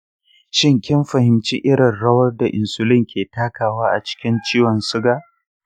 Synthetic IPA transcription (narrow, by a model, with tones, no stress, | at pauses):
ʃɪ˦ŋkʲɪ˦mɸɐ˨hɪ˨mt͡ʃi˦ʔɪ˦ɾɪ˨nɽɐ˦wɐ˦rda˨ʔɪ˨nsʊ˨lɪ˦ŋkʲeː˨taː˦kaː˨waː˦ʔa̰˨t͡ʃɪ̥˦kʲɪ˦nt͡ʃiː˦wɐ˨nsʊ˦ɡaː˦